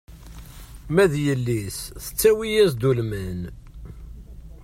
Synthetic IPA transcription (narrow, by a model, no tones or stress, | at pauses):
mæðjəlːisθə̥t͡sːæwijæsd̪ulmæn